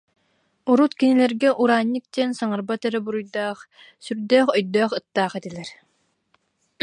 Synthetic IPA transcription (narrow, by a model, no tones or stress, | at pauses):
ɔɾut̪kinilɛɾɡɛʔuɾaːɲːik̚t̪iɛnsaŋaɾbat̪ɛɾɛbuɾujd̪aːχ | syɾd̪œːχœjd̪œːχɯt̪ːaːχɛt̪ilɛɾ